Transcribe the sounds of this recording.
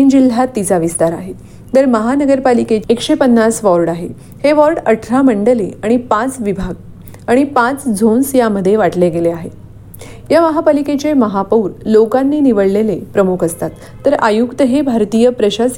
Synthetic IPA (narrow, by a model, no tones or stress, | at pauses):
ind͡ʑil̤ːat̪ːit͡saʋist̪aɾaɦe | d̪əɾməɦanəɡəɾpalikeekɕepənːasʋɔɾɖaɦe | heʋɔɾɖəʈʰɾaməɳɖəleaɽ̃ipãt͡sʋibʱaɡ | aɽ̃ipãt͡sd͡zʱonsjaməd̪ʱːjeʋaʈleɡeleaɦe | jaməɦapaliket͡ɕeməɦapəuɾlokanːiːniʋəɭlelepɾəmukʰəst̪at̪ːəɾajukt̪əɦebʱaɾt̪ijəpɾəɕas